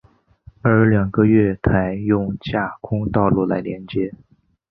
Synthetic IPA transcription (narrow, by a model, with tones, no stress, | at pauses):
ə˞˧˥ljɑ˨˩ŋɡə˧ɥɛ˥˩t̪ʰa˧˥ɪjʊ˥˧ŋt͡ɕja˥˩kʰʊ˥ŋt̪ɑ˥˧ʊlu˥˩la˧˥ɪljɛ˧˥nt͡ɕjɛ˧˥